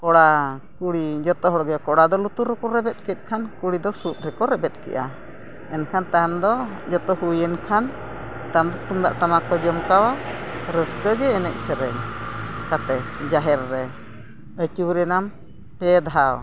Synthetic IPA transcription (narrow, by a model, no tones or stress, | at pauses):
kɔɽakuɽid͡ʒɔt̪ɔɦɔɽɡɛkɔɽad̪ɔlut̪uɾɾɛkuɾɛbɛt̪̚kɛt̪̚ˀkʰankuɽid̪ɔsut̪̚ˀɾɛkɔɾɛbɛt̪̚ˀkɛ̰ʔa | ɛnkʰant̪amd̪ɔd͡ʒɔt̪ɔhujənkʰan | t̪amd̪ɔt̪umd̪a̰ʔt̪amakɔd͡ʒɔmkawaɾəskəd͡ʒɛːnɛc̚sɛɾɛɲkat̪ɛd͡ʒaɦɛɾːɛ | ət͡ʃuwɾɛnam | pɛd̪aɦaw